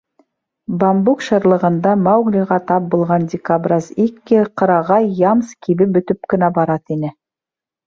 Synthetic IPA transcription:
bambukʃɤ̆ɾlˠɤ̆ʁɤ̆nd̪ɑmɑwɡlʲiʁɑt̪ɑp̚bulˠʁɑndʲɪkabrʲɑzikːɘqɤ̆ɾɑʁɑjɑmskʰiβɘbɵ̆t̪ɵp̚kɘ̆næbɑɾɑt̪inɘ

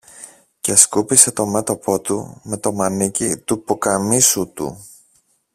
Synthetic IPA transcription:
ceskupise̞t̪o̞me̞t̪o̞pʰo̞t̪ṵme̞t̪o̞mɐnicit̪upokɐmisut̪ṵ

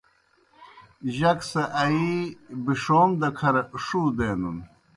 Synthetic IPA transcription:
ʑɐksɐʔɐibiʂoːmd̪ɐkʰɐɾɐʔʂud̪eːnṵn

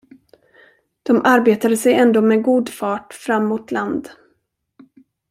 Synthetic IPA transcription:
d̪̥ɔmʔaɾbeːt̪ad̪əsɛjɛnd̪oːmɛɡuːd̪fɑːʈfɾamːuːt̪ʰland̪

